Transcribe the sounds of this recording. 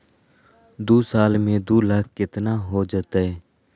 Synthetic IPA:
d̪uːsaːlmẽd̪uːlaːk̚ʰkɪt̪naɦoːd͡ʒət̪aɦɛː

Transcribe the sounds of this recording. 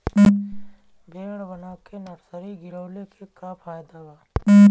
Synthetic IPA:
beːɽbənaːkenəɾsəɾiɡɪɾəʊlekʰekapʰaːjd̪awaː

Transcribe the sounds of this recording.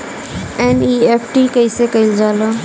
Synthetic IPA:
ɛːniːeːpʰʈikəisekəɪld͡ʒaːlõː

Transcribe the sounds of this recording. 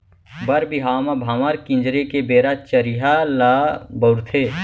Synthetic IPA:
bɐɾbiɦaːmabʱaːmaɾkɪ̃nd͡ʒɾekebeːɾat͡ʃəɾiɦalabəʊɾt̪ʰeː

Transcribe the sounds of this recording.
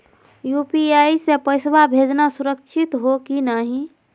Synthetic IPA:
jupiaisepəɪsbabʱed͡ʒnasuɾəkt͡ʃʰit̪ɦokinaɦĩ

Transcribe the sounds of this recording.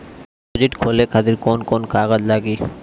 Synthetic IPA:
od͡ʑiʈkʰolekʰad̪iɾkonkonkaɡadlaɡi

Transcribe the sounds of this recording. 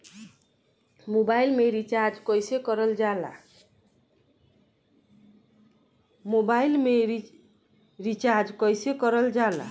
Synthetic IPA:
mobailmeɾit͡ʃaɾd͡ʒkʌjsekʌɾʌld͡ʒala̰ | mobailmei | ɾit͡ʃaɾd͡ʒkʌjsekʌɾʌld͡ʒala̰

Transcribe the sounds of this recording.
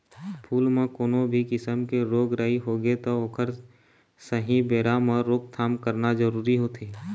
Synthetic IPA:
pʰuːlmẽkoːnõbʱikɪsəmkeɾoːɡɾəɦiɦoɡet̪ooːkʰəɾ | səɦĩbeːɾamɔːɾːoːɡ̚t̪ʰaːmkəɾnazəɾuːɾiɦot̪ʰeː

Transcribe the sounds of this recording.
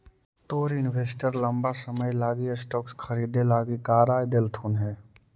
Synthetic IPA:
t̪oːɾɪnwʱeːsʈəɾlə̃mbasəməjlaːɡisʈɔːkskʰəɾiːd̪elaːɡikaːɾaːjd̪elt̪ʰuːnɦɛː

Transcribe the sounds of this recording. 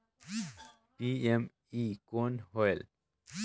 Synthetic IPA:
piem | ikonhɔel

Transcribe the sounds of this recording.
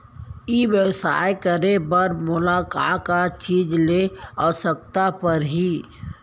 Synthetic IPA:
iʋjəwsa̰ːjkəɾebəɾmʊlaːka̰kat͡ʃiːd͡ʒleɔːsək̚t̪apəɾɦiː

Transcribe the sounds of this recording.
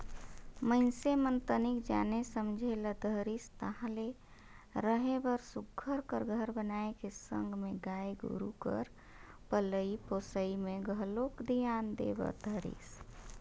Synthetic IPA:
məɪnsemənt̪ənikd͡ʒa̰nesəmd͡ʒʱeləd̪ʱəɾist̪əɦãle | ɾəɦebəɾsuɡʱːəɾkəɾɡʱəɾbənaekesə̰ŋɡʱmeɡaeɡṵɾukə̰ɾ | pələiposəimeɡʱəlokd̪ijand̪ḛbə̰d̪ʱəɾḭs

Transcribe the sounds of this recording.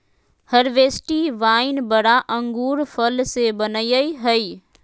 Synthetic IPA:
həɾʋeːsʈiʋaːɪnbəɽaʔə̃ŋɡuːɾpʰəlsebənəjəiɦəi

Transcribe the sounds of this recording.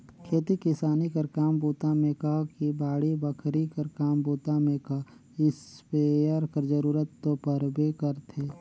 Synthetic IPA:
kʰeːt̪ikɪsaːnikəɾkaːmbuːt̪amẽkɐɦkibaːɽibəkʰɾikəɾkaːmbuːt̪amẽkɐɦ | ɪspejəɾkəɾd͡ʒəɾuːɾət̪ːopəɾbʱekɐɾt̪ʰeː

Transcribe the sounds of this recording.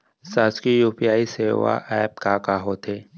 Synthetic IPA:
saːskijuːpijaːiseːʋa̰ʔɛːp̚kaːkaɦot̪ʰeː

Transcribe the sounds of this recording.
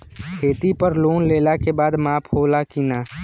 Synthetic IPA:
kʰeːt̪ipəɾloːnleːlakebaːd̪maːpʰɦoːlakinaː

